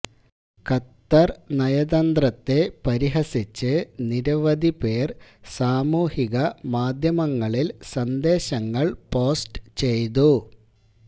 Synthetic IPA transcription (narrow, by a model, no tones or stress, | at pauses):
kɐt̪ːɐrnɐjɐðɐnd̪rɐt̪ːe̞pɐɾiɦɐsit͡ɕːɨniɾɐʋɐd̪ipe̞ːrsaːmuːhiɣɐmaːd̪ʱjɐmɐŋːɐɭilsɐnd̪e̞ːɕɐŋːɐɭpo̞ːsʈt͡ɕe̞jt̪u